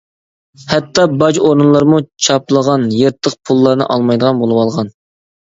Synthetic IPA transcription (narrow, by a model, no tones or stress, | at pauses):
hɛt̪ʰːɑbɑd͡ʒoɾɨnlˠɑɾmut͡ʃʰɑplˠəʁɑnjeɾt̪ʰːəqpʰulˠːɑɾnɨ̰ʔɑlˠmɑjd̪əʁɑnbolˠɨwɑlˠʁɑn